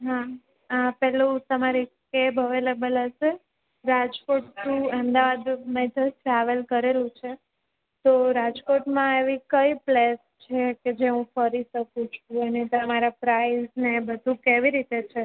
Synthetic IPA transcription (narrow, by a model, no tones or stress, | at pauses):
ɦa | əpɛɦlũt̪əmaɾikebəʋelebəlɦəʃe | ɾad͡ʒkoʈt̪ũəmd̪aʋad̪mɛt̪ʰəʈɾaʋəlkəɾelũt͡ʃʰe | t̪oɾad͡ʒkoʈmãeʋikəiples | t͡ʃʰeked͡ʒeɦũfəɾiʃəkũt͡ʃʰũənet̪əmaɾapɾaiznebəd̪ʱũkeʋiɾit̪et͡ʃʰe